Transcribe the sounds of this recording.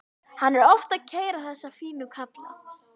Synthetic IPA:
hanːɛɾɔft̪aðcʰeːjɾaθɛsːafiːnʏkʰat̪la̰

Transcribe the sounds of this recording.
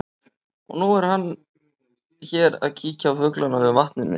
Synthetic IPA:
ɔ̰ɣnuɛɾ̥hanː | çɛːɾa̰ðcʰiːcafʏklanːavɛvaht̪nʏnːɪ̰

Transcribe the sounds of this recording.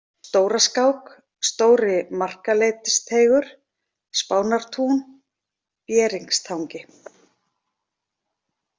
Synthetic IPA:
st̪oːwɾaskawk | st̪oːwɾɪmar̥kalejt̪ɪst̪ʰeːjɣʏɾ̥ | spaːwnaɾ̥t̪ʰuːn | pjɛːɾiŋkst̪ʰawŋcɪ

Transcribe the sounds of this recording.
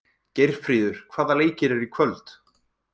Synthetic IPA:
cejr̥fɾiːðʏɾ̥kʰv̥aːðaleːjcɪɾɛɾikʰvœlt̪

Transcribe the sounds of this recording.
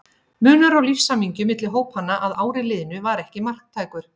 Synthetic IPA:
mʏːnʏɾawlifsamiɲcʏmɪt̪lɪɦoːwphanːaʔaðaːwɾɪlɪðɪnʏvaɾɛhcɪmar̥kt̪ʰaːjkʏɾ̥

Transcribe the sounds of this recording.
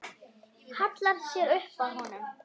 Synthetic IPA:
hat̪laɾsjɛɾʏhpaðɦɔnʏm

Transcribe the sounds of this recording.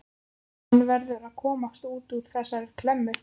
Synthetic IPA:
nːvɛɾðʏɾaðkʰɔːmast̪uːt̪uɾ̥θɛsːaɾɛɾ̥kʰlɛmːʏ

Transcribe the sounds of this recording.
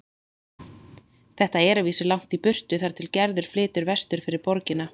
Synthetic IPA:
θɛht̪aɛɾʏviːsɪlawŋ̥t̪ipʏr̥t̪ʏθaɾ̥t̪ʰɪlcɛɾðʏɾ̥flɪːt̪ʏɾvɛst̪ʏɾ̥fɪɾɪɾpɔɾcɪna

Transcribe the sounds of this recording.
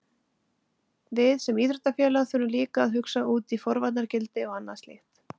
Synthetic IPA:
vɪðsɛmiːθɾʏht̪ːafjɛːlaθʏɾʏmliːkaːðɦʏksauːt̪ifɔɾvat̪naɾcɪlt̪ɪɔɣanːast̪lḛht̪

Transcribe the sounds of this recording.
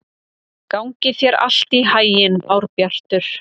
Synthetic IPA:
kawŋcɪθjɛɾa̰l̥t̪iɦaːjɪnawɾpjar̥t̪ʏɾ̥

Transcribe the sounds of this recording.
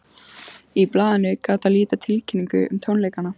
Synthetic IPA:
iplaːðɪnʏkaːt̪aliːt̪at̪ʰɪlcʰɪnːiŋkʏʏmt̪ʰownlejkana

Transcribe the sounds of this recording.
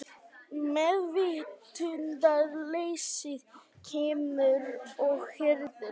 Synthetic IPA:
mɛðvɪt̪ʰʏnt̪aðleːjsɪðcʰɛːmʏɾɔɣhʏɾðʏ̥

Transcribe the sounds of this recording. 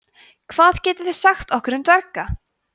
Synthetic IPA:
kʰv̥aːðcɛːt̪ɪ̥θɛ̥saxt̪ɔhkʏɾʏmt̪vɛɾka

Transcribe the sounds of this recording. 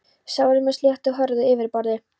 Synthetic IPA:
sawɾʏmɛsljɛht̪ɔɦœɾðʏɪvɪɾpɔɾðɪ

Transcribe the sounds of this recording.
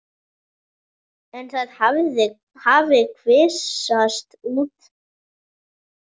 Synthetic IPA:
ɛnθaðavðɪ | havɪkʰvɪsast̪uːt̪

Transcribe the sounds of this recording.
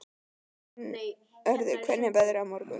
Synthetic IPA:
nej | œɾðɪkʰvɛnːɪbɛðɾawmɔɾkʏ̰

